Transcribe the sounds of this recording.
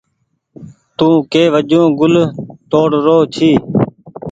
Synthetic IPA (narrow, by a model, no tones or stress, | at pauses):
t̪ũːkeːʋəd͡ʒõːɡʊlt̪oːɽɾoːt͡ʃʰiː